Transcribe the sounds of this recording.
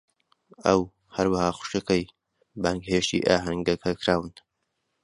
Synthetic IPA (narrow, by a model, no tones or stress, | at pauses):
ɐw | hɐɾwɐhaːxʷʊ̥ʃɐkɐj | baːŋkheːʃt̪ḭːʔaːɦɐŋɡɐkʰɐkʰɾaːwɨn